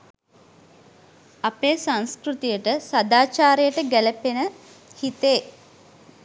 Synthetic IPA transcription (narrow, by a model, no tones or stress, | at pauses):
apeːsãnskrut̪ijəʈəsad̪aːt͡ʃaːɾejəʈəɡælepenə | hit̪eː